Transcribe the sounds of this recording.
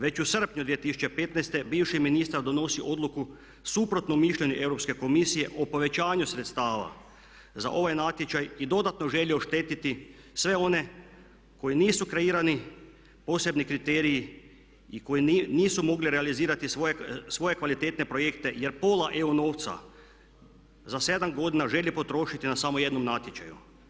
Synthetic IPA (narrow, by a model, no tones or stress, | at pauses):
ʋe̞t͡ɕusr̩pɲud̪ʋijet̪isu̥t͡ɕepe̞t̪najst̪e̞biːʋʃiminist̪aɾd̪o̞no̞siʔo̞d̪lˠuku | supɾo̞t̪nomiʃʎe̞ɲuʔe̞ʋɾo̞pske̞ko̞misije̞ʔopo̞ʋe̞t͡ɕaːɲusɾet̪st̪aːʋa̰ | za̰ʔo̞ʋajnat̪jet͡ʃajid̪o̞d̪at̪noʒe̞ʎioʃt̪e̞ːt̪it̪i | sʋeo̞ne̞ | ko̞jiniːsukɾeiːɾani | po̞ːse̞bnikɾit̪eːɾiji | iko̞jiniːsumo̞ɡliɾealiziːɾat̪isʋojesʋo̞je̞kʋalit̪eːt̪ne̞pɾo̞je̞kt̪e̞jeɾpo̞ːlaʔe̞uno̞ːwt̪sa̰ | zase̞d̪amɡo̞d̪inaʒe̞lipo̞t̪ɾo̞ːʃit̪inasamoje̞d̪nomnat̪jet͡ʃa̰jṵ